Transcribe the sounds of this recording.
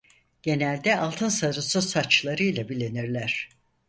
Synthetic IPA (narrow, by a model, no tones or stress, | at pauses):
ɟ̥e̞nælʲd̪ɛalˠt̪ʰɯnsaɾɯsɯsat͡ʃlˠaɾɯjlˠabilʲeniɾlʲæɾ̝̥